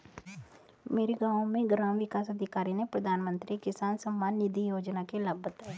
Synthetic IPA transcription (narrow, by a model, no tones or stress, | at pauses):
meːɾeɡãːõmẽɡɾaːmʋɪkaːsɐd̪ʱɪkaːɾinepɾəd̪ʱaːnmə̃nt̪ɾikɪsaːnsəmːaːnːɪd̪ʱijoːd͡ʒnakeləbət̪ɛ